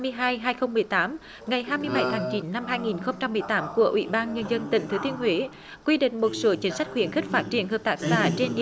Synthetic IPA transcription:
mɨ˧əjɦaː˧jɦaː˧jxə˧wŋ͡mmɨ˨˩əjt̪aː˨˦m | ŋa˨˩jɦaː˧jmɨ˧əjɓa˧˩jt̪ʰaː˨˦ŋt͡ɕi˨˦nːa˧mhɦaː˧jŋi˨˩nxə˧wŋ͡mt͡ɕa˧mːɨ˨˩əjt̪aː˨˦mku˧˩əʔwḭ˧˥ɓaː˧nɲə˧nzə˧nt̪ḭ˧˨ŋ̟t̪ʰɨ˨˦t̪i˧ənhwe˨˦ | kwi˧ɗḭ̈˧˨ŋ̟mo˨˩t̚soː˨˦t͡ɕi˨˦ənsa˦˥k̟̚xwi˧˩ənxi˦˥k̟̚faː˦˥t̚t͡ɕi˧˨˩ənhəː˨˩p̚t̪aː˧˥k̚saː˧˩t͡ɕe˧ni˧˨

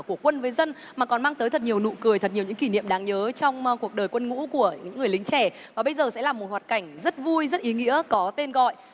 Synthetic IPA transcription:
ku˧˩əkwə˧nvəː˨˦jzə˧n | maː˨˩kɔ˨˩nmaː˧ŋt̪əː˨˦jt̪ʰə˨˩t̚ɲi˨˩əwnṵ˧˨kɨ˨˩əjt̪ʰə˨˩t̚ɲ˨˩ə˩wɲɨ̰˧˥ŋki˧˩nḭ˧˨əmɗaː˨˦ŋɲəː˨˦t͡ɕɔ˧wŋ͡mku˨˩ək̚ɗəː˨˩jkwə˧nŋṵ˧˥ku˧˩əɲɨ̰˧˥ŋːɨ˨˩əjlï˨˦ŋt͡ɕɛ˧˩ | vaː˨˩ɓə˧jzəː˨˩sɛ̰˧˥laː˨˩mo˨˩t̚hwaː˨˩t̚ka˧˩jŋ̟zə˦˥t̚vu˧jzə˦˥t̚ʔi˨˦ŋḭ˧˥əkɔ˨˦t̪e˧nɣɔ̰˧˨j

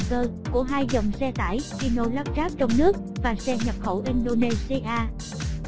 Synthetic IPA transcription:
kəː˧ku˧˩əɦaː˧jzə˨˩wŋ͡msɛ˧t̪a̰ː˧˩jxi˧no̰˧˨jla˦˥p̚zaː˦˥p̚t͡ɕɔ˧wŋ͡mnɨ˦˥ək̚vaː˨˩sɛ˧ɲə˨˩p̚xə˧˩wʔi˧nɗo˧ne˧si˧ʔaː˧

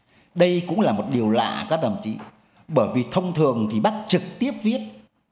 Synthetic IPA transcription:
ɗə˧jkʊ̰˧˥ŋ͡mlaː˨˩mo˨˩t̚ɗi˨˩əwla̰ː˧˨kaː˦˥t̚lə˨˩mt͡ɕḭ˧˦ | ɓəː˧˩jvi˨˩t̪ʰə˧wŋ͡mt̪ʰɨ˨˩əŋt̪ʰi˨˩ɓa˦˥t̚t͡ɕɨ˨˩k̚t̪i˦˥əp̚vi˦˥ət̚

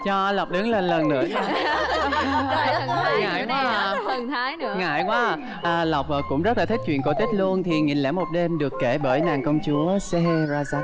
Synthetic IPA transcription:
t͡ɕɔ˧la˨˩wk͡p̚ɗɨ˨˦ŋle˧˩nlə˨˩nːɨ̰˧ə˧ | ŋa̰ː˧˨jkwwaː˨˦˨ | ŋa̰ː˧˩˨jkwaː˨˦˨ | ʔːla˨˩wk͡p̚ʔkʊ̰˧˥ŋ͡mzə˦˥t̚la˨˩ï˦˥k̚t͡ɕwḭ˧˨ənko˧˩t̪ï˦˥k̟̚lu˧ənt̪ʰi˨˩ŋḭ˧˨˩nlɛ̰˧˥mo˨˩t̚ɗe˧mɗɨ˨˩əkːe˧˩ɓəː˧˩jnaː˨˩nkə˧wŋ͡mt͡ɕu˨˦əsɛ˧˦he˧zaː˧zaː˦˥

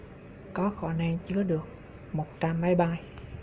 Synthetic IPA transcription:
kɔ˨˦xɔ˧˩nɛ˧ŋt͡ɕɨ˨˦əɗɨ˨˩ək̚ | mo˨˩t̚t͡ɕa˧mːa˨˦jɓaː˧j

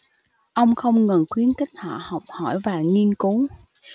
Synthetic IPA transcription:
ʔə˧wŋ͡mxə˧wŋ͡mŋə˨˩nxwi˨˦ənkï˦˥k̟̚hwa̰ː˧˨hə˨˩wk͡p̚hɔ˧˩jvaː˨˩ŋi˧ənku˨˦

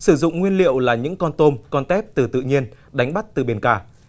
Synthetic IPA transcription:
sɨ˧˩zʊ̰˧˨ŋ͡mŋwi˧ənlḭ˧˨əwlaː˨˩ɲɨ̰˧˥ŋkɔ˧nt̪o˧mkɔ˧nt̪ɛ˦˥p̚t̪ɨ˨˩t̪ɨ̰˧˨ɲi˧ən | ɗa˨˦jŋ̟ɓa˦˥t̚t̪ɨ˨˩ɓe˨˧˩nkaː˧˩

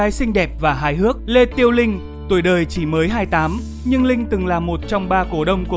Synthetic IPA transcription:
aː˨˦jsï˧ŋ̟ɗɛ˨˩p̚vaː˨˩ɦaː˨˦jɦɨ˦˥ək̚le˧t̪i˧əwlï˧ŋ̟ | t̪u˧˩jɗəː˨˩jt͡ɕi˧˩məː˨˦jɦaː˧jt̪aː˨˦m | ɲɨ˧ŋlï˧ŋ̟t̪ɨ˨˩ŋlaː˨˩mo˨˩t̚t͡ɕɔ˧wŋ͡mɓaː˧ko˧˩ɗə˧wŋ͡mku˧˩

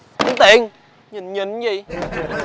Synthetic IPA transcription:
i˨˧˦nt̪i˨˩˦ŋ | ɲi˨˩nɲi˨˩˦nzi˨˩

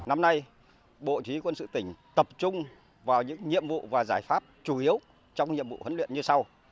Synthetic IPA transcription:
na˧mna˧j | ɓo̰˧˨t͡ɕwi˨˦kwə˧nsɨ̰˧˨t̪ï˧˩ŋ̟t̪ə˨˩p̚t͡ɕʊ˧ŋ͡m | vaː˨˩wɲɨ̰˧˥ŋɲḭ˧˨əmvṵ˧˨vaː˨˩zaː˧˩jfaː˦˥p̚t͡ɕu˧˩ʔi˨˦əw | t͡ɕɔ˧wŋ͡mŋɲḭ˧˨əmvṵ˧˨hə˨˦nlwḭ˧˨ənɲɨ˧sa˧w

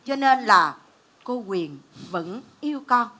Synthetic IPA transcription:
t͡ɕɔ˧ne˧nlaː˨˩ | ko˧kwi˨˩ənvə̰˧˥nʔi˧əwkɔ˧n

